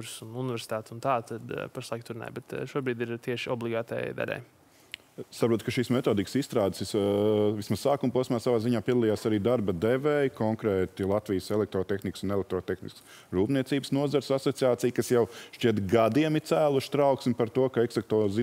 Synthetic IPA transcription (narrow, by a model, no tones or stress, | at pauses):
uɾsununɪveɾsʲi̥t̪aːt̪unt̪aːt̪ad̪paʃlˠajk̚t̪uɾnɛ̰ːjbɛt̪ʃuɔbɾiːd̪iɾt̪iɛʃiɔblˠiɡaːt̪ɛ̰jd̪a̰lʲɛ̰j | sapɾuɔːt̪kɐʃiːsmet̪oːd̪iksist̪ɾaːd̪sisvismaz̥saːkumpuɔsmaːsavaːziɲaːpiɛd̪ɐlˠijaːsaɾiːd̪aɾbɐd̪evɛjkɔŋkɾɛːt̪ilˠat̪ʋijəsɛlˠɛk̚t̪ɾoːt̪exniksunɛlɛk̚t̪ɾɔːt̪exnḭsks | ɾuːpniɛt̪siːbsnuɔzɐɾsasɔt̪siaːtsijkasjawʃt͡ʃiɛt̪ɡad̪iɛmit̪sæːlˠuʃt̪ɾaʊksʲmʲpaɾt̪uɔkaɛksɐk̚t̪ɔːzi